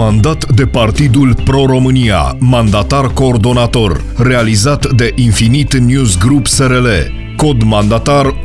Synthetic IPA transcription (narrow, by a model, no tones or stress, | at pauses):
and̪at̪d̪e̞part̪id̪ulpɾo̞ɾo̞mɨnia̰mand̪at̪arko̞ːrd̪o̞nat̪o̞r | re̞alizat̪d̪e̞ʔinfinit̪njuzɡɾupse̞ɾelḛ | ko̞d̪mand̪at̪ar